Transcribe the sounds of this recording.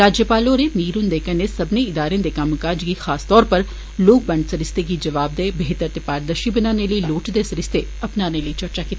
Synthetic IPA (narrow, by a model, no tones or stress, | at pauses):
ɾaːd͡ʒjəpaːloːɾemiːɾʊnd̪eːkənesɐbneɪd̪aːɾẽd̪ekɐmkaːd͡ʒɡixaːst̪ɔːɾpəɾ | loːk̚bɐ̃ɳɖsɐɾɪst̪eɡid͡ʒɐʋaːb̚d̪eːbeɦt̪əɾt̪epaːɾd̪əʃibɪnaːneləiloːʈd̪esɐɾɪst̪e | ɐpnaːneləit͡ʃɐɾt͡ʃaːkit̪ː